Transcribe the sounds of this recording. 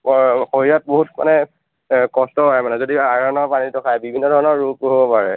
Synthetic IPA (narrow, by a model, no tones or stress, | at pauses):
xoɹijat̚boɦutma̰nɛ | kɔstɔɦɔɛmanɛzodiaɹɔnɔɹpanitɔkʰajbibʱinːɔdʱɔɹɔnɔɹːukɦobɔpaɹɛ